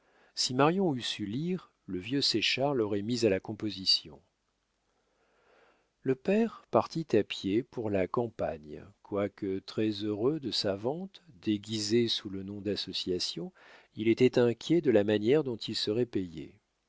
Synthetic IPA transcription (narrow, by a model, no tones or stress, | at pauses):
simaʁjɔ̃ysyliʁ | ləvjøsɛʃaʁlɔʁɛmizalakɔ̃pozisjɔ̰̃ | ləpɛʁpaʁt̪it̪apjepuʁlakɑ̃paɲkwakət̪χɛzøʁød̪əsavɑ̃t̪d̪eɡʲizesulənɔ̃d̪asɔsjasjɔ̃ | ilet̪ɛt̪ɛ̃kʲjɛd̪əlamanjɛʁd̪ɔ̃t̪ilsəʁɛpejḛ